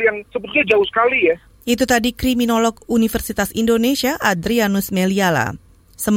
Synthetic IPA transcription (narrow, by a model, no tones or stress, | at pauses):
jaŋsəbət̪uɲad͡ʒaʊhsə̥kalija | it̪ut̪adikɾiminolɔk̚unifərsit̪asindonesiaʔad̪ɾianʊsmeliala̰ | səm